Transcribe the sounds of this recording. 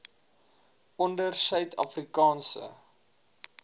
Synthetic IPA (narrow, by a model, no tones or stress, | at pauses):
ɔndərsœɥtʰɐ̰frikɑːnsə̰